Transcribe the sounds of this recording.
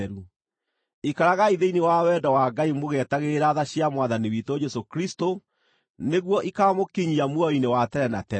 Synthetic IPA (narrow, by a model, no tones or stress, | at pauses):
ɾu | ikaɾaɣaiðeinewawɛdɔwaɡaimoɣɛtaɣeɾaðaɕjamwaðaniwitod͡ʒɛsokɾisto | neɣwɔʔikamokiɲiamwɔinewatɛɾɛnatɛ